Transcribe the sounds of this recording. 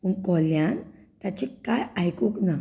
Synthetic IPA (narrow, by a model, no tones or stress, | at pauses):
umkoljant̪at͡ʃikːajajkukna